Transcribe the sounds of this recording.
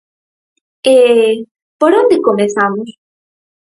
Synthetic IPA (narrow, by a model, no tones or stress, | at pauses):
e | poɾond̪ekomẽsamos